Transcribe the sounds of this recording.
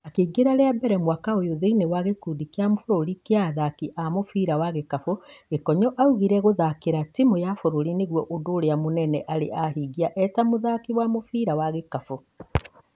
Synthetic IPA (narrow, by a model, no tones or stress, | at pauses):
akeːɡeɾaɾeabɛɾɛmwakaojoðeinewaɣekuːdikjamofoɾoɾikeaðakiʔamofiːɾawaɣekafoɣekɔɲɔʔauɣiɾɛɣoðakeɾatimojafoɾoɾineɣwɔʔodoːɾeamonɛnɛʔaɾḛʔahiɡiaʔɛtamoðakiwamofiːɾawaɣekafo